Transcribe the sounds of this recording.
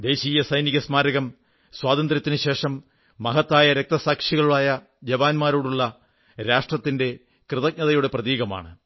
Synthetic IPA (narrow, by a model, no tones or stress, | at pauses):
d̪e̞ːɕiːjɐsɐjniɣɐsmaːɾɐɣɐm | swaːd̪ɐnd̪ɾɐt̪ːinɨɕe̞ːʂɐmː | ɐɦɐt̪ːaːjɐɾek̚t̪ɐsaːkʂiɣɐɭuɭaːjɐ | d͡ʑɐʋaːnmaːɾo̞ːɽuɭːɐ | ɾaːʂʈrɐt̪ːinde̞ | krɨðɐk̚nɐðɐjuɽe̞prɐðiːɣɐma̰ːɳɨ